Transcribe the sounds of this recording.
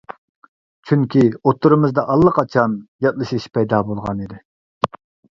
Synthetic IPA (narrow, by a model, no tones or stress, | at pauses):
t͡ʃʰyŋkʲʰiot̪ʰːuɾɨmɨzd̪ɑʔɑlˠːəqʰɑt͡ʃʰɑnjɑt̪̚lˠɨʃiʃpʰɛjd̪ɑbolˠʁɑ̰nid̪ɪ